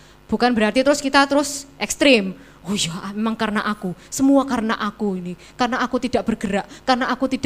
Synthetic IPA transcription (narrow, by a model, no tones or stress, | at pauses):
b̥ukanbəɾart̪it̪əɾʊskit̪at̪əɾʊsʔɛkst̪ɾɪm | ojamemaŋkarənaʔakusəmuakarəna̰ʔakuini | karənaʔakut̪id̥aʔb̥ərɡ̥əɾaʔkarənaʔakut̪id̥